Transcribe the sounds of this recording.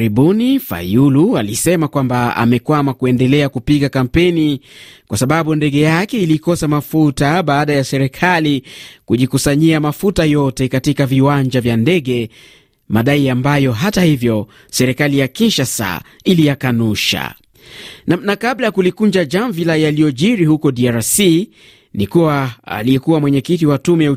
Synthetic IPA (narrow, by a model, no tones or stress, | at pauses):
ɾiɓunifa̰julualisɛmakwambaa̰mɛkwamakuɛndɛlɛakupiɠakam̩pɛnikwasaɓaɓundɛɠɛjakɛilikɔsamafutaɓaːɗajasɛɾɛkʰalikuʄikusaɲiamafutajɔtɛkatikaviwaɲd͡ʒavjandɛɠɛ | maɗaiambajɔɦatahivjɔ | sɛɾɛkalijakiʃasa̰ | ilijakanuʃa̰ | nanakaɓlajakulikund͡ʒaʄaɱvilajalijɔʄiɾihukɔɗiaɾasi | nikuwaa̰lijɛkuwamwɛɲɛkit̬iwatumɛjau